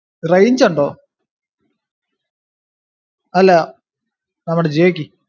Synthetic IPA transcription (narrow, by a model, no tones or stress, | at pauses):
rɐjɲd͡ʑɐɳɖoː | ɐlːa | nɐmːuɽed͡ʑeːkʲːi